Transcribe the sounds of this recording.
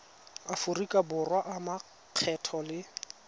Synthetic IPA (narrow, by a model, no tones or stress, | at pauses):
afʊrikʼabʊrwaʔama | q͡χʰɛtʰɔlɪ